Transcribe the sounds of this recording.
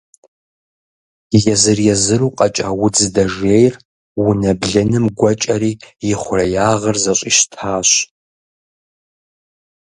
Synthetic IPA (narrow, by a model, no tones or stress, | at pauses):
jɛzɨrjɛzɨruːqʼɐt͡ʃʼawʊd͡zɨdɐʒejr | wʊnɐbɮɨnɨmɡʷɐt͡ʃʼɐɾiːjɪχʷʊrɐjaːʁɐrzɐɕʷʼiʃtʰaːɕ